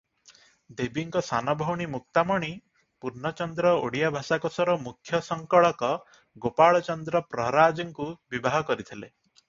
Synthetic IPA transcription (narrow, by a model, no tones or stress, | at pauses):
d̪ebiŋkɔsanɔbʱɔwɽ̃imuk̚t̪amɔɽ̃i | puɾnɔt͡ʃɔnd̪ɾɔo̰ɽijabʱasakɔsɔɾɔmukʰːjɔsɔŋkɔɭɔkɔ | ɡopaɭɔt͡ʃɔnd̪ɾɔpɾɔɦɾad͡ʒɔŋkubibaɦɔkɔɾit̪ʰile